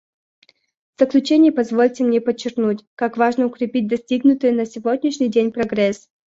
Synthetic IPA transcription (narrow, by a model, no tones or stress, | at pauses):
vz̥əklʲʉt͡ɕenʲɪjəpɐzvolʲtʲɪmnʲepət͡ɕːɪrknutʲkakvaʐnəʊkɾʲɪpʲit̚ʲd̪ɐsʲtʲiɡnʊt̪əjənəsʲɪvodʲnʲɪʂnʲɪjdʲenʲpɾɐɡɾɛs